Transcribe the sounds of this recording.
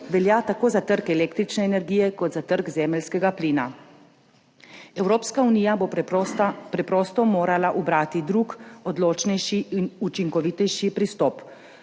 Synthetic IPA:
ʋɛljat̪akoːzat̪əɾkɛleːkt̪ɾit͡ʃnɛːnɛɾɡiːjɛkɔd̪zat̪əɾɡzɛːmɛlskɛɡapliːna | ɛwɾoːpskauniːjabo | pɾɛpɾɔːst̪ɔmoːɾalaʔubɾaːt̪id̪ɾukɔd̪loːt͡ʃnɛjʃiinut͡ʃiŋkɔʋit̪ɛjʃipɾist̪ɔːp

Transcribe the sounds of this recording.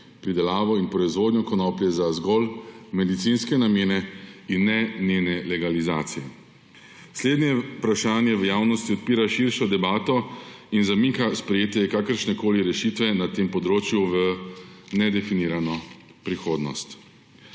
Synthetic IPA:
pɾid̪ɛlaːʋɔinpɾɔizʋoːd̪njɔkɔnɔːpljɛzazɡɔlmɛd̪it̪sinskɛnamjeːnɛinːɛneːnɛlɛɡaliza̰ːt̪sijɛ | sleːd̪nɛjɛpɾaʃaːnjɛʋəjaːwnɔst̪iɔt̪̚piːɾaʃiɾʃɔd̪ɛbaːt̪ɔinzamikaspɾɛjeːt̪ɛjɛkakəɾʃnɛkoːliɾɛʃit̪ʋɛnat̪eːmpɔd̪ɾoːt͡ʃjuʋənɛd̪ɛfiniːɾanɔ | pɾixoːd̪nɔ̰st̪

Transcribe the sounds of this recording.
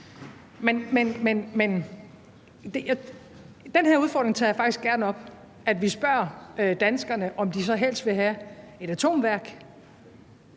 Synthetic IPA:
menmenmenmen | d̥eja | d̥enɦeɐ̰uð̞ˠfɒ̰ːd̥ʁeŋt͡sʰɑːjɑ̈fɑ̈ɡ̥isɡ̥æɐnɒ̽b̥ | ʔæd̥ʋisb̥ɶɐ̰ød̥ænsɡ̥ɐnəʔɒ̽md̥is̬ɒ̽ɦel̰sd̥ʋe̝ɦæe̝ɾ̥æt͡sʰo̝̰ːmʋæɐɡ̥

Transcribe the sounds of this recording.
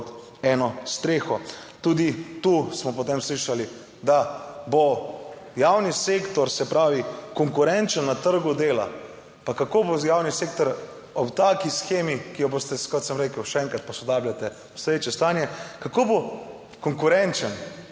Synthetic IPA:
t̪ | ɛːnɔst̪ɾeːxɔt̪uːd̪it̪usmɔpot̪emsliʃali | d̪abo | jaːwnisekt̪ɔɾsɛpɾaːʋikɔŋkʊɾɛnt͡ʃənːat̪əɾɡud̪eːla̰ | pakakobojawnisekt̪ɔɾ | ɔpt̪aːkisxeːmikijɔboːst̪ɛkɔt̪səmɾeːkəwʃɛɛŋkɾat̪̚pɔsɔd̪aːblʲjat̪ɛ | sɾeːt͡ʃɛst̪aːnjɛkakoːbo | kɔŋkʊɾɛnt͡ʃən

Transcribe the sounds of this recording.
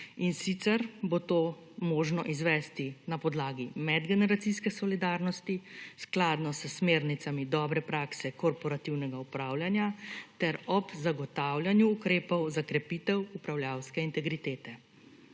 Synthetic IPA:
insit̪sɛɾbot̪oː | mɔːʒnɔʔizʋɛst̪inapɔd̪laːɡimɛd̪ɡɛnɛɾat̪siskɛsɔlid̪aːɾnɔst̪isklaːd̪nɔsəsmeːɾnit̪samid̪ɔːbɾɛpɾaːksɛkɔɾpɔɾat̪iwnɛɡaupɾaːwljanjat̪ɛɾɔbzaɡɔt̪aːwlʲjanjuːkɾeːpɔwzakɾɛpit̪ɛwupɾawljaːwskɛint̪ɛɡɾit̪eːt̪ɛ

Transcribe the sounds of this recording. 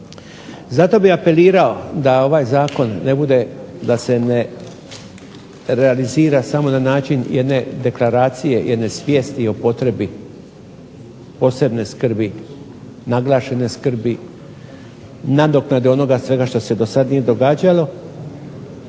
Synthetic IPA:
zat̪o̞biape̞liːɾao̞d̪ao̞ʋajzaːko̞nːe̞bud̪e̞d̪ase̞ne̞ | ɾe̞aliziːɾasamo̞nanaːt͡ʃinjʔed̪ne̞d̪e̞klaɾaːt̪sije̞jʔed̪ne̞sʋʲje̞ːst̪io̞po̞t̪ɾe̞bi | po̞se̞bne̞skr̩bi | naɡlˠaːʃe̞ne̞skr̩bi | nad̪oknad̪io̞no̞ɡasʋe̞ɡaʃt̪o̞se̞d̪o̞sad̪nije̞d̪o̞ɡaːd͡ʑalo̞

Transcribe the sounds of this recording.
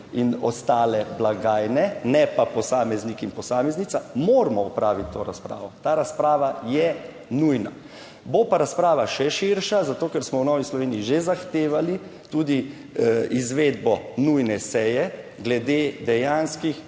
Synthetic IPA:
inɔ̰st̪aːlɛblaɡaːjnɛnɛpapɔsaːmɛznikinpɔsaːmɛznit̪samoːɾmɔɔpɾaːʋit̪ʲːoːɾaspɾa̰ːʋɔt̪aːɾaspɾaːʋajɛ | nujna | bopaɾaspɾaːʋaʃɛʃiɾʃazat̪oːkɛɾsmɔwnɔːʋislɔʋeːniiʒezaxt̪eːʋalit̪uːd̪i | izʋeːd̪bɔnujnɛsɛjɛ | ɡlɛd̪eːd̪ɛjaːnskix

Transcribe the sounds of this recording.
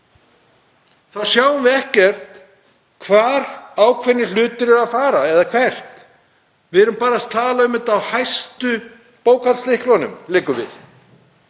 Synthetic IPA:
θawsjaːwʏmvɪɛhcɛr̥t̪ | kʰvaːɾ̥aːwkʰvɛnːɪl̥ʏːt̪ɪɾɪɾafaːɾaɛðakʰvɛr̥t̪ | vɪɛɾʏmpaːɾast̪ʰaːlaʏmːɪt̪awhajst̪ʏ | poːwkalslɪhklɔnʏ̰mlɪːkʏvɪ̰θ

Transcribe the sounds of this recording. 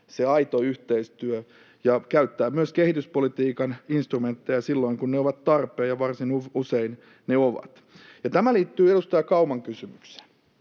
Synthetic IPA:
seɑit̪oyht̪eist̪yø | jɑkæyt̪ːæːmyøskehit̪yspolit̪iːkɑninst̪rument̪ːejɑsilːoiŋkunneoʋɑt̪t̪ɑrpˑeːjɑʋɑrsinuusein | neoʋɑ̰t̪ | jɑt̪æmæliːt̪ːyːeɾust̪ɑjɑkɑumɑŋkysymykse̥n

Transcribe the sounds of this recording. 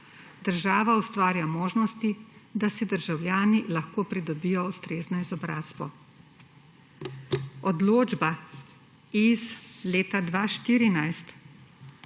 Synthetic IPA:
d̪əɾʒaːʋaust̪ʋaːɾjamoːʒnɔst̪id̪asid̪əɾʒawlʲjaːnilaxkoːpɾid̪ɔbijɔust̪ɾeːznɔizɔbɾaːz̥bɔ | ɔd̪loːd͡ʒba | izleːt̪ad̪ʋaːʃt̪iːɾinajst̪

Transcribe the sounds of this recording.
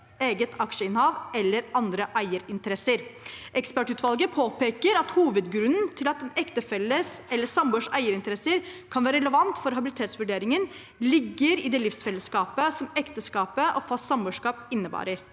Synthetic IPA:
eːɡət̪ʰɑkʂəɪnhɑːʋɛlːəɾʔɑnd̪ɾəʔæɪəɾɪnt̪əɾɛsəɾʔɛkspæʈʉːt̪ʰʋɑlɡəpʰoːpeːkəɾɑt̪huːʋəd̪ɡɾʉnn̩t̪ʰɪlɑt̪ɛnɛkt̪əfɛləsɛlːəsɑmbøːʂæɪəɾɪnt̪əɾɛsəɾkʰɑnʋæːɾəɾɛləʋɑnt̪fɔɾɦɑbɪlɪt̪ʰeːt̪sʋʉɖeːɾɪŋən | lɪɡːəɾɪd̪ɛːlɪfsfɛlːəskɑːpəsɔmɛkt̪əskɑːpəʔɔfɑssɑmbøːʂkɑːpɪnːəbɑ̰ːɾəɾ

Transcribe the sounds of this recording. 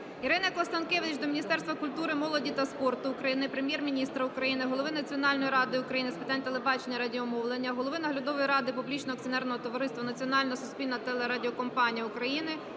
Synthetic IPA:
iɾɪnɐkˠɐst̪ɐnkeʋʲɪɪt͡ʃd̪ɔmʲinʲist̪ɛrst̪ʋɐkʊlʲt̪uɾɪmɔlˠɔdʲit̪ɐspɔrt̪ʊːkɾɐjinɪpɾemjɛrmʲinʲist̪ɾɐukɾɐjinɪɦɔlˠɔʋɪnɐt͡sʲiɔnɑlʲnɔjiɾɑd̪ɪʊkɾɐjinɪspɪt̪ɑnʲt̪elˠebɑt͡ʃenʲːɐɾɐdʲiɔmɔwlˠenʲːɐɦɔlˠɔʋɪnɐɦlʲɐd̪ɔʋɔjiɾɑd̪ɪpublʲit͡ʃnɔɐk̚t͡sʲiɔnɛrnɔɦɔt̪ɔʋɐɾɪst̪ʋɐnɐt͡sʲiɔnɑlʲnɔɦɔsʊsʲpʲilʲnɐt̪ɛlˠeɾɐdʲɪɔkɔmpɑnʲijɐʊkɾɐjinɪ

